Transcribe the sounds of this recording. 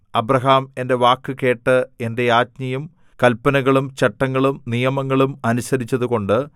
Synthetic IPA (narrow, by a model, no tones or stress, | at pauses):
ɐbɾɐɦaːme̞nde̞ʋaːkːɨke̞ːʈːɨe̞nde̞jaːt̚ɲɐjum | kɐlpɐnɐɣɐɭumt͡ɕeʈːɐŋːɐɭumnijɐmɐŋːɐɭumɐnusɐɾit͡ɕːɐðuko̞ɳɖɨ